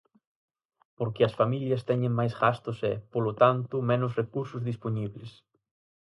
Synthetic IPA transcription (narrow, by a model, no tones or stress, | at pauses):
poɾkɪɐsfamiljɐst̪ɛɲɪ̃ŋmajsɣast̪ʊsɛpolʊt̪ant̪ʊmɛnʊsrekuɾsʊzðisponiβlɪs